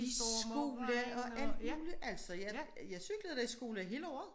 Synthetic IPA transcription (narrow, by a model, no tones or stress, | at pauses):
issɡ̥o̝̰ːləɒ̽æl̰d̥muːliʔæl̰sɒ̽jæjɑsyɡ̥ləð̩ˠd̥ɑisɡ̥o̝̰ːləɦe̝̰ːləɒ̰ːð̩ˠ